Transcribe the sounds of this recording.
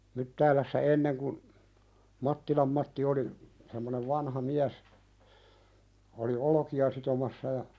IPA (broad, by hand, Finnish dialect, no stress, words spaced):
mytːæːlæsːæ enːeŋ kun mɑtːilɑm mɑtːi oli semːoneʋ ʋɑnhɑ miæs oli olŏkiɑ sitomɑsːɑ jɑ